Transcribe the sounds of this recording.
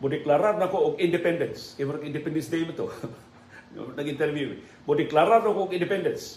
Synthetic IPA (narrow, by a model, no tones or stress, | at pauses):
bodiklaɾarnakoɔkindɛpɛndɛnskevaɾakindɛpɛndɛnsdemat̪o | nakint̪ɛrvjuḭ | bodiklaɾarnakoɔkindɛpɛndɛns